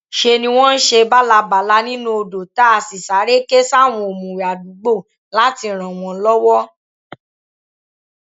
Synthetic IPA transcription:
ʃe˧nĩ˧w̃ɔ̃˦n̩˦ʃe˧ba˦la˧ba˨la˧˦nĩ˦nũ˦o˧do˨ta˦a˧si˨sa˨˦ɾe˦ke˦sa˦˨w̃ɔ̃˧o˨mũ˨ɾi˨a˨du˨˦ɡ͡bo˦˨ | la˦ti˧ɾ̃ã˨w̃ɔ̃˧˦lɔ˦wɔ˦

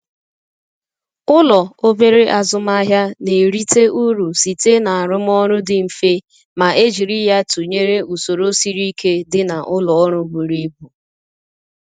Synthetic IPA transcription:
ʊ˦lɔ˨o˦be˦ɾe˦ʔa˨zʊ˨ma˦ɦja˦ne˨ɾi˦te˦ʔu˦ɾu˨si˨te˦na˨a˨ɾʊ˦m˦ɔ˦ɾʊ˦dɪ˨m̩˨fe˦ | ma˨ʔe˦d͡ʒi˨ɾi˦ja˦tu˨ɲe˦ɾe˦u˨so˨ɾo˦si˦ɾi˦kʰe˦dɪ˦na˨ʔʊ˦lɔ˨ɔ˦ɾʊ˦bu˨ɾi˦bu˨

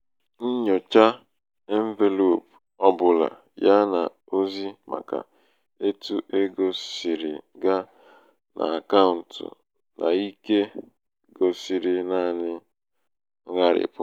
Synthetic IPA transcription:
n̩˦ɲo˨t͡ʃa˦ | e˦m̩˦ve˨lo˨p | ɔ˦bʊ˨la̰˨ | ja˦na˨ | o˦zi˦ma̰˨ka̰˨ | e˦tu˦ʔe˦ɡo˨si˨ɾɪ̰˨ɡa˦ | nʔa̰˨a˨ka˦ʊ˨n̩˨tʊ̰˨ | nʔa̰˨i˦ke˦ | ɡo˨si˨ɾɪ˨naː˦˨nɪ˦ | ŋa˦ɾɪ̰˨pʊ˦

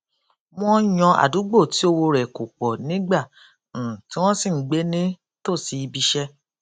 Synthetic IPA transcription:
m̃ɔ̃˦j̃ɔ̃˧a̰˨du˨˦ɡ͡bo˦˨ti˨˦o˧wo˧ɾɛ˨ko˨k͡pɔ˨nĩ˨˦ɡ͡ba˦˨ | ti˦w̃ɔ̃˦si˦˨˦ɡ͡be˦nĩ˦ | to˦˨si˧i˧bi˧ʃɛ˦

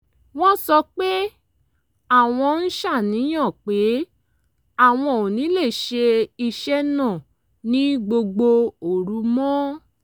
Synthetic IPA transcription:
w̃ɔ̃˦sɔ˧k͡pe˦ | a˦˨w̃ɔ̃˧n̩˦ʃa˦˨nĩ˨˦j̃ã˦˨k͡pe˨˦ | a˦˨w̃ɔ̃˧˨o˨nĩ˨˦le˦˨ʃe˧i˧ʃɛ˦nã˦˨ | nĩ˨˦ɡ͡bo˧ɡ͡bo˧o˨ɾu˨˦mɔ̃˦

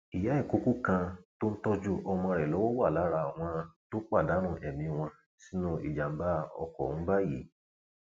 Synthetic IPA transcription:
i˨ja˨˦i˦˨ku˨˦ku˦kã˧to˦n̩˦tɔ˦d͡ʒu˦ʔɔ˧mɔ̃˧ɾɛ˨lɔ˨˦wɔ˦wa˦˨la˨˦ɾa˧˨w̃ɔ̃˧to˦k͡pa˦˨da˨˦ɾ̃ũ˦˧˨ʔɛ˨mĩ˨˧w̃ɔ̃˧ | si˦nũ˦ḭ˨d͡ʒa˨m̩˦ba˦ɔ̰˧kɔ̰˨ũ˨˦ba˦jḭ˨˦

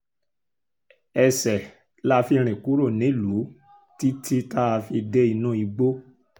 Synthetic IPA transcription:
ɛ˧sɛ˨ | la˦fi˧ɾ̃ĩ˨ku˨˦ɾo˦˨nĩ˨˦lu˨˦ | ti˦tʰi˦ta˦˧fi˧de˦i˧nũ˦i˧ɡ͡bo˦

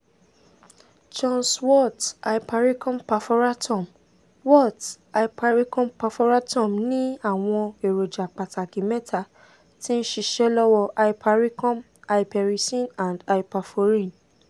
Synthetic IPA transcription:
d͡ʒɔ̃˦˧nswɔ˦˨ta˨i˨pa˧ɾi˦kɔ̃˦mpa˧fo˧ɾa˦tɔ̃˨m | wɔ˦˨t | a˨i˨pa˧ɾi˦kɔ̃˦mpa˧fo˧ɾa˦tɔ̃˦˨mnĩ˦a˦˨w̃ɔ̃˧e˨ɾo˨d͡ʒa˨k͡pa˨ta˨kĩ˨mɛ˦tʰa˧ | tĩ˦n̩˦ʃi˧ʃɛ˦lɔ˦wɔ˧ʔa˧i˦pʰa˧ɾi˦kɔ̃˦m | a˧i˦pɛ˨ɾi˨sĩ˦˨nã˨nda˨i˨pa˧fo˦ɾĩ˦˨n

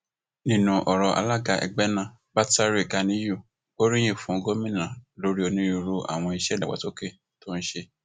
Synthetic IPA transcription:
nĩ˦˨nũ˧ʔɔ˨ɾɔ˧ʔa̰˧la˦ɡa˧˨ʔɛ̰˧˨ɡ͡bɛ˦nã˦˨ | ba˦ta˦ɾe˦˨ɡa˨˧nĩ˨˦ju˦˨ | o˦ɾi˦j̃ẽ˦˨fũ˨˦˧ɡo˦mĩ˦˨nã˨lo˨˦ɾi˦ɔ˧nĩ˦ɾu˧ɾo˧ʔa̰˨w̃ɔ̃˧i˧ʃɛ˦da˨ɡ͡ba̰˨to˦ke˦˨ | to˦n̩˦ʃe˧

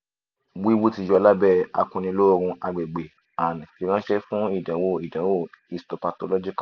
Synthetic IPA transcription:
wi˦wu˦ti˧˨jɔ˧˦˨la˦bɛ˦˨a̰˧kũ˧nĩ˧lo˦˧ɾ̃ũ˧a˧ɡ͡be˨ɡ͡be˨ | a˨nĩ˨fi˨˧˦ɾ̃ã˦ʃɛ˦fũ˦i˦˨dã˨˦wo˦i˨dã˨˦wo˦˨i˧sto˨pa˧to˧lɔ˦d͡ʒi˦ka˦˨

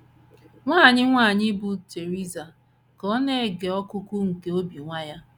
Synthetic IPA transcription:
ŋʷaː˦˨ɲɪ˦ŋʷaː˦˨ɲɪ˦bʊ˨te˨ɾi˦za˨ | kɔ˦ne˦˨ɡe˨ɔ˦kʊ˦kʊ˦ŋ̩˨ke˦o˦bi˨ŋʷa˦ja˦

